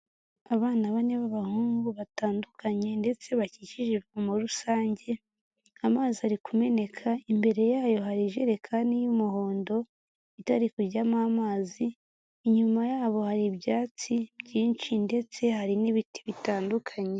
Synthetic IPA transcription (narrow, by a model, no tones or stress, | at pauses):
aβaːnaβaneβaβahuːŋɡuβataːndukʰaɲe̞nde̞t͡se̞βaciciʒiɾɡumuɾusaːɲɟe̞ | amaːziaɾikume̞ne̞kʰaimbe̞ɾe̞jaːjo̞ɦaɾiʒe̞ɾekʰanijumuho̞ːndo̞ | itaɾikuɾɟamaːmaːziː | ɲumajaːβo̞haɾibjaːt͡sibɟiːnt͡ʃinde̞t͡se̞haɾiniβiti̥βitaːndukʰaɲe̞